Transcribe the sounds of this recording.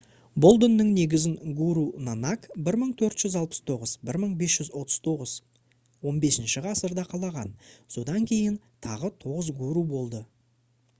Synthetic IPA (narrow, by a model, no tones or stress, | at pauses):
bo̞lˠd̪ənːəŋne̞ɡʲɪzɪŋɡuɾunanakbɪɾməɴt̪ʰɵɾt̪ʒ̥ʏzɑlˠpə̥st̪ʰo̞ʁəzbɪɾməɴbe̞sʒʏzwo̞t̪ʰə̥zt̪ʰo̞ʁəz | wo̞nbe̞sɪnʃɪʁɑsəɾd̪ɑqʰɑlˠɑʁɑ̰nso̞d̪ɑŋkʲʰe̞jɪnt̪ʰɑʁət̪ʰo̞ʁəzɡuɾubo̞lˠd̪ə